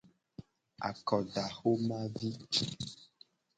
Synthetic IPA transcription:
a̰˨kɔ˨ɖa˨xo˦mã˦vi˦

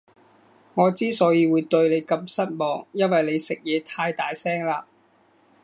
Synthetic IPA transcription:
ŋɔː˨˧t͡siː˥sɔː˨˥jiː˨˧wuː˨˧jt̪ɵ˧ɥle˨˧jkɐ˧msɐ˥t̚mɔː˨˧ŋjɐ˥nwɐ˨jle˨˧jsɪ˨k̚jɛː˨˧t̪ʰaː˧jt̪aː˨jsɛː˥ŋlaː˧

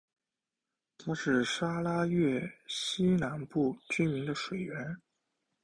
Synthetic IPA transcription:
t̪ʰa˥ʂɻ̩˥˩ʂa˥la˥jɛ˥˩ɕi˥na˧˥npu˥˩t͡ɕy˥mi˧˥ŋd̪ə˧ʂwe˨˩ɪɥɛ˧˥n

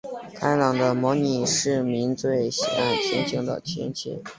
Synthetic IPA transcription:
kʰa˥ɪlɑ˨˩ŋd̪ə˦mɔ˧˥ni˨˩ʂɻ̩˥˩mi˧˥ŋt͡swe˥˩ɪɕḭ˨˩a˥˩nt͡ɕʰjɛ̰˧˥nt͡ɕʰi˧˥ŋd̪ə̰˧˩t͡ɕʰjɛ̰˧˥nt͡ɕʰḭ˧˥ŋ

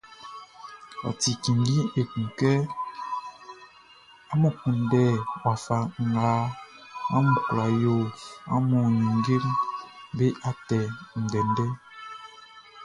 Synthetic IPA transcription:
a̰˨ti˨ki˨ŋɡi˦e˨kũ˨kɛ˦ | a˦mu˨ku˨ndɛ˦˨wa˨fa˨ŋ˨ɡaː˨˦ | a̰˦mu˨kla˨jo˨a̰˦mɔ˨ɲi˨ŋ˦ɡe˦ɾi˦be˦ʔa˦tɛ˨n̩˨dɛ˨ndɛ˦

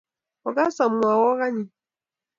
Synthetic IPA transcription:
ɔ˨ɡa˦sa˨m˦wa˨wɔ˦ɣa˦ɲi˨

